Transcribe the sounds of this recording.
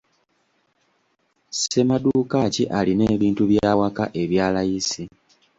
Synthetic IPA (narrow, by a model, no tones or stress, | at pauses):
se̞maduːkaciʔaline̞ːβiːntuβjaːwaka̰ʔe̞βjaːlajisi